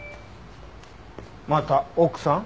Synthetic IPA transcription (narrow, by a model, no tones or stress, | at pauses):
mãt̪aoksã